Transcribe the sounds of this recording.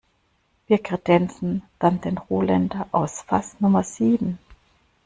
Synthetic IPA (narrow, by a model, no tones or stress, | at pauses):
v̥iːɐkʁ̥ed̥ɛnt͡sn̩d̥and̥eːnʁoːlɛndɐʔaʊsfasnʊmɐz̥iːbm̩